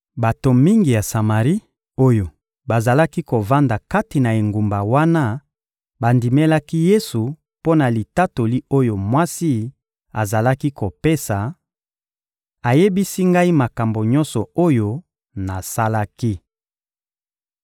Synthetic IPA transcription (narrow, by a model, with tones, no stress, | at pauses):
ba˨to˨mi˦ŋɡi˨ja˨sa˨ma˨ʁi˦ | o˦jo˨ | ba˨za˨la˦ki˦ko˨va˦nda˨ka˦ti˨na˨e˨ŋɡu˨mba˨wa˦na˦ | ba˨ndi˨me˦la˦ki˦je˦su˨ | po˦na˨li˨ta˦to˨li˦o˦jo˨mwa˦si˦ | a˨za˨la˦ki˦ko˨pe˦sa˨ | a˨je˦bi˦si˦ŋɡa˦i˦ma˨ka˨mbo˨ɲɔ˦nsɔ˨o˦jo˦ | na˨sa˦la˦ki˦